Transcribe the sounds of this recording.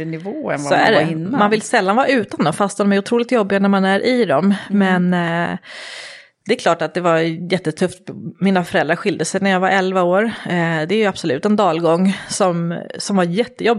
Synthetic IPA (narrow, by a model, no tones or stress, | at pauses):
nɪvoːɛ̰sɔæ̰ɖɪnːmanvɪlsɛlːanvɑːʉ̟ːt̪and̪ɔmfast̪hɔnmɛjʊt̪ʰɾuːlɪt̪jɔbːɪanæɾmanæɾʔɪd̪ɔmːɛn | d̪̥ɛːkʰlɑːʈat̪̚d̪ɛvaɾjɛt̪ːət̪ʰɵft̪miːnafœɾɛld̪ɾaɾɧɪld̪əsɛjnæɾjɑːɡvaɾɛlvaoːɾd̪ɛæɾjɵab̥sɔlʉ̟ːt̪ɛnd̪ɑːlɡɔŋːsɔmsɔmvaɾjɛt̪ːəjɔbː